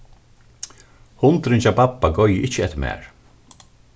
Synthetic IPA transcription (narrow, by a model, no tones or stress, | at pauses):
hʊnt̪ɾɪnt͡ʃapapːaɡɔjjəʔɪt͡ʃːəɛt̪ːəmæ̰ːɹ